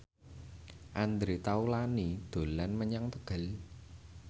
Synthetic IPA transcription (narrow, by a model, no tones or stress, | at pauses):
ʔand̪ɾet̪aulanid̪̥o̤lanməɲaŋt̪əɡ̥ə̤l